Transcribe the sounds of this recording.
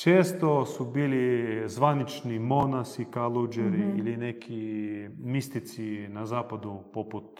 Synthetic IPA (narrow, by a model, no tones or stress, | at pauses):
t͡ʃeːst̪osubiːlizʋanit͡ʃnimo̞nasikalˠud͡ʒeɾiilinekʰi | mist̪it̪sinazaːpad̪upoput̪